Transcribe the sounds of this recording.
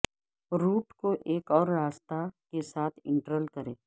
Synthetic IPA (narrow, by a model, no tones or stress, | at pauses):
ɾuːʈkoʔeːkɔːɾːaːst̪akesaːt̪ʰɪ̃ɳʈəɾəlkɐɾẽː